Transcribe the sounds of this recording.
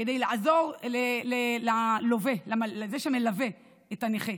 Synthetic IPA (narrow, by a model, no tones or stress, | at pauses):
kedejlaʔazo̞ʁlelelalovelamalzeʃemelave̞ | etaneχe